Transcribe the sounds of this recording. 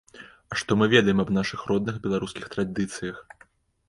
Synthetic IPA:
ɐʂt̪ɔmɨvʲɛd̪ɐjɛmɐbnaʂɨxrɔd̪̚nɨxbʲɛlˠaɾuskʲixt̪ɾad̪ɨt̪sɨjɐx

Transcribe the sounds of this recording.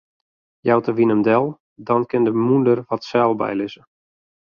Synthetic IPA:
jawtəʋinəmdɛlˠ | dɔnkɪndəmundərʋɔtsɛlˠbɛ̰jlɪzə

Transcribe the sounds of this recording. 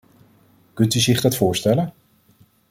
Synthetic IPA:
kɵntyzɪχdɑtfʊːɹstɛlən

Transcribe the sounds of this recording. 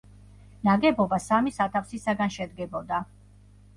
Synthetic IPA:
naɡɛbɔbasamisat̪ʰafsisaɡanʃɛd̪ɡɛbɔd̪a

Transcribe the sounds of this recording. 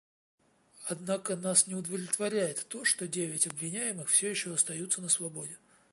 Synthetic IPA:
ɐd̪nakənasnʲɪʊd̪əvəvlʲɪt̪vɐɾʲæjɪt̪ːo̞ʂt̪o̞dʲevʲɪtʲɐbvʲɪnʲæjɪmɨxfsʲojɪɕːoɐst̪ɐjut̪sənəsvɐbo̞dʲɪ

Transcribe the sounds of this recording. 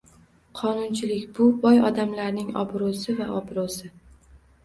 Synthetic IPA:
qʰɒnʊnt͡ʃʰɪlɪkʲbʊbɒjɒd̪amlaɾnɪŋɒ̰bɾʊsɪvaʔɒbɾosɪ

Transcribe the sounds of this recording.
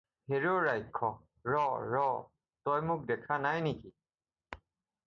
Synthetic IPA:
heɹoɹajkʰːɔ | ɹɔɹɔ | tɔjmʊk̚dɛkʰanajniki

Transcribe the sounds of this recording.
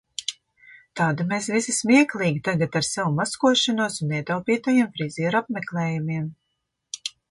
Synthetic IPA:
t̪aːd̪imeːsvisismiɛklˠiːɡʲit̪aɡat̪aɾsɛwumaskuɔʃanuɔsunːɛɛt̪awpiːt̪ajiɛmfɾiziːɾapmɛklˠɛːjumiɛm

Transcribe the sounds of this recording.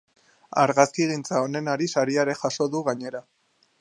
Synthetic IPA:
aɾɣaskiɣint͡sao̞ne̞naɾisaɾiaɾe̞xaʃo̞ðuɣaɲe̞ɾa

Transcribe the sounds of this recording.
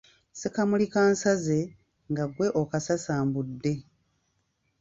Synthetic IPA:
sekamulikaːnsaze̞ | ŋɡaɡwe̞ʔokasasaːmbudːe̞

